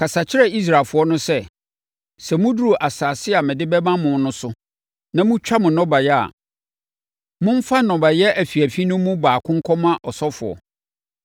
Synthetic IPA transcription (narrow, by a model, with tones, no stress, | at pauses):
kʰa˨sa˨t͡ɕʰɪ˦ɾɛ˨i˦s̬ɾa˨lfʊ˨˦ɔ˦nʊ̃˦sɛ˦ | sɛ˨mʊ̃˦du˦u˨ʔa˨saː˨sɪ˦a˨mɪ̃˨dɪ˦bɛ˦mã˦mʊ̃˨n˦nʊ̃˦sʊ˦ | nã˨mʊ̃˦t͡ɕᶣa˦mʊ̃˨nɔ̃˦ba˨jɛ˦a̰˨ | mʊ̃˦m̩˦fa˦nɔ̃˨ba˨jɛ˦æ˨fi˨æ˨fi˦nʊ̃˦mũ˦baː˨kʰʊ̃˦ŋ˦kʰɔ˦mã˦ʔɔ˨sɔ˦fʊ˨ɔ̰˨